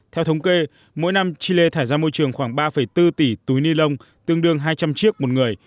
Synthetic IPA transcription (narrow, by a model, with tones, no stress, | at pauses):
t̪ʰɛ˧wt̪ʰə˨˦wŋ͡mke˧ | mo̰˧˥˦jna˧mt͡ɕi˧le˧t̪ʰaː˧˩jzaː˧mo˧jt͡ɕɨ˨˩əŋxwaː˧˩ŋɓaː˧fə˧˩jt̪ɨ˧t̪i˧˩t̪u˨˦jni˧lə˧wŋ͡m | t̪ɨ˧əŋɗɨ˧əŋɦaː˧jt͡ɕa˧mt͡ɕi˦˥ək̚mo˨˩t̚ŋɨ˨˩əj